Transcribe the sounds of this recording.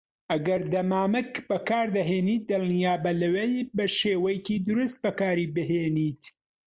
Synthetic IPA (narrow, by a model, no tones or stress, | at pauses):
ʔɐɡɐɾd̪ɐmaːmɨkbɐkaːɾd̪ɐɦeːniːt̪̚d̪ɨlˠnijaːbɐlɐwejbɐʃeːwɐjkiːd̪ʊɾust̪̚bɐkaːɾiːbɨɦeːniːt̪